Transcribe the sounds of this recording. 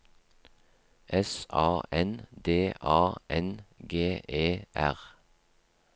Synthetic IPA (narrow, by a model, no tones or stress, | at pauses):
ʔɛsɑ̰ːʔɛnd̪eːʔɑːʔɛnɡeːeːʔæ̰ʁ